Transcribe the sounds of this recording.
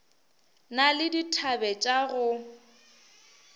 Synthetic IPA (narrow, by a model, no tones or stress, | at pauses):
nalɪditʰabɛt͡ʃʼaɣʊ